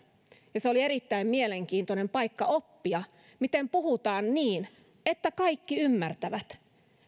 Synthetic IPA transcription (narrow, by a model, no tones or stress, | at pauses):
jɑseolieɾit̪ːæimmieleŋk̟iːnt̪onempɑikːɑopːiɑ | mit̪empuhut̪ɑːnniːn | et̪ːækɑikːiymːært̪æʋæt̪